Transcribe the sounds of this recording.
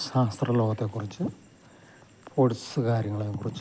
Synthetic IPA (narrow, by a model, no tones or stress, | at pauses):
ɕaːst̪rɐlo̞ːɣɐt̪ːe̞kːurit͡ɕːɨ | pʰoɽisɨkaːɾjɐŋːɐɭekːurit͡ɕː